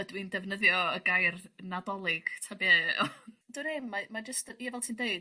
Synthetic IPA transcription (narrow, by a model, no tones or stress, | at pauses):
ədwindɛvnəðjɔəɡajrnadɔlˠɪɡ̥tʰabḛ | d̥uɾɪmːamad͡ʒəstəiavɛlˠtʰiːndeɨd̥